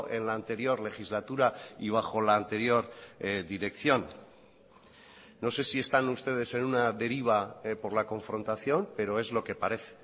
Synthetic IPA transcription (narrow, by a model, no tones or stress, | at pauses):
ʔe̞nlaːnt̪e̞ɾjo̞ɾle̞xizlat̪uɾaiβ̞axo̞laːnt̪e̞ɾjo̞ɾd̪iɾe̞kθjo̞n | o̞se̞sie̞st̪anust̪e̞ð̞e̞se̞nunaðe̞ɾiβ̞apo̞ɾlako̞ɱfɾo̞nt̪aθjo̞mpe̞ɾo̞e̞zlo̞ke̞paɾe̞θe̥